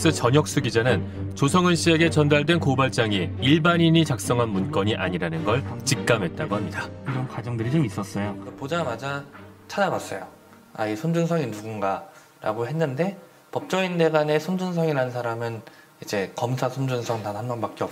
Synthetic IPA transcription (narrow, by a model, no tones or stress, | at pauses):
s͈ɯt͡ɕʌɲjʌk̚s͈uɡid͡ʑanɯn | t͡ɕosʰʌŋɯnɕ͈ie̞ɡe̞t͡ɕʌndaɭdwe̞nkobaɭt͡ɕ͈aŋiiɭbaɲiɲit͡ɕak̚s͈ʌŋɦanmunk͈ʌɲiʔaɲiɾanɯnɡʌɭt͡ɕik̚k͈amɦe̞t̚t͈aɡohamɲidad͡ʑomkad͡ʑʌŋdɯɾid͡ʑomis͈ʌs͈ʌjopod͡ʑamad͡ʑat͡ɕʰad͡ʑaɡas͈ʌjo̰ | aisʰond͡ʑunsʰʌŋinuɡunɡa | ɾa̰ɡoɦe̞nːɯnde̞ | pʌp̚t͡ɕ͈ʌinde̞ɡane̞sʰond͡ʑunsʰʌŋiɾanɯnsʰaɾamɯn | id͡ʑe̞kʌmsʰasʰond͡ʑunsʰʌŋtanɦanbʌnbak͈e̞ʌ